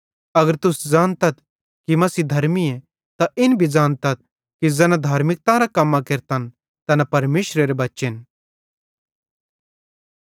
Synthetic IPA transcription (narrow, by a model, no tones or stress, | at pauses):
ɐɡəɾt̪ʊsd͡zaːnt̪ɐt̪ | kimɐsiːd̪ʱɐɾmie | t̪aɪnbʱid͡zaːnt̪ɐt̪̚ | kid͡zɛnãd̪ʱaːɾmɪk̚t̪ãɾakɐmːakeɾt̪ɐn | t̪ɐnɐpɐɾmeːʃɾeɾebɐtːʃen